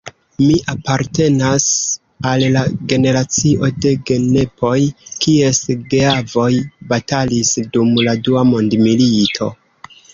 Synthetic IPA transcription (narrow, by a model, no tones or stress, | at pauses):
miʔapaɾte̞nas | allaɡe̞ne̞ɾat͡siʔo̞de̞ɡe̞ne̞pʰo̞jkie̞sɡeavo̞jbatalisdumladuamo̞ndmilitʰo̞